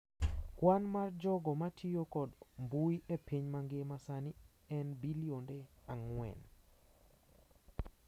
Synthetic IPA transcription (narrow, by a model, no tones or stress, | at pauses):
kwanmard͡ʒɔɡɔmatʰijokɔdmbuiʔepʰiɲmaŋɡemasani | ɛnbiliondeaŋwɛ̰n